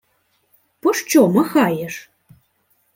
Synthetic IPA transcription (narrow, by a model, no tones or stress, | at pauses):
pɔʂt͡ɕɔmɐxajɛʂ